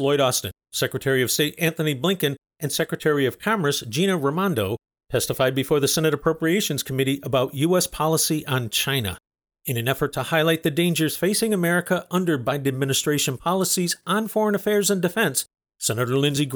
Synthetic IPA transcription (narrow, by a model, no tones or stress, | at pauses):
lɔɪɾɑstɨ̰̃nsɛkɹɨtʰɛɹiʌv̥steɪɾæ̃nθɨniblɪ̃ŋkɨ̃n | ɨ̃nsɛkɹɨtʰɛɹiʌv̥kʰɑmə˞sd̥ʒ̥ĩnɨɹəmɑ̃ndoʊ | tʰɛstɨfaɪd̚bɨfɔɹðɨsɛnɨɾəpʰɹ̥oʊpɹieɪʃɨ̃nz̥kʰəmɪɾiʔəbaʊʔjʉɛspʰɑlˠəsiʔə̃nt͡ʃʰãɪ̃nɨ̰ | ɨ̃nɨ̃nɛfə˞tʰəhaɪlˠaɪt̪̚ðɨdẽɪ̃nd͡ʒə˞z̥feɪsɪ̃ŋɨmɛɹɨkəʔʌ̃ndə˞baɪdɨd̚mɪ̃nɨstɹ̥eɪʃɨ̃npʰɑlˠəsizə̃n̩fɔɹə̃nəfɛɹzɨ̃ndɨfɛ̃nsː | ɛnɨɾə˞lɪ̃nziɡ